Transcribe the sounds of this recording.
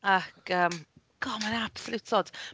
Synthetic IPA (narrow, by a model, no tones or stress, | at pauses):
akʰəːm | ɡ̥ɔmannapsəlˠutʰɔd̥